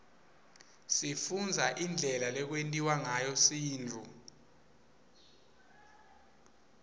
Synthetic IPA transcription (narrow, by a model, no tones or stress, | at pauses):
sifund͡zʱaʔind͡ɮʱɛlalɛk̬wentʼiwaŋajɔsiːnt͡fu